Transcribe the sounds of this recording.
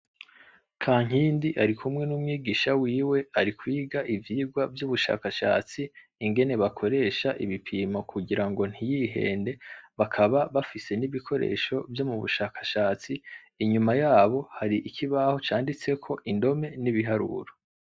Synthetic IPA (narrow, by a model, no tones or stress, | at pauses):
kʰaːŋ̥iːndiʔaɾikʰumŋe̞numŋiːɡiːʃawiːwe̞aɾikwiːɡaʔivjiːɡwavjuːβuʃa̰ːkaʃa̰ːt͡siː | ŋɡe̞ne̞βakʰo̞ɾe̞ːʃaʔḭβipʰimakʰuɡiɾaŋɡo̞n̥hijiɦe̞̰ːnde̞βakʰaβaβafise̞niβikʰo̞ɾḛːʃo̞vjo̞muβṵʃaːkḁʃaːt͡siː | ɲumajaːβo̞haɾiʔikʰiβaho̞t͡ʃaːndit͡se̞kʰo̞ʔindo̞me̞niβiɦaɾṵɾo